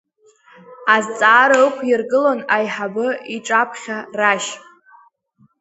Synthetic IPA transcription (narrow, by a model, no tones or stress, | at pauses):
azt͡sʼaːɾaɨkʷʰjɪrɡɨlonajħabɨiʈ͡ʂʼapʰχʲaraʃ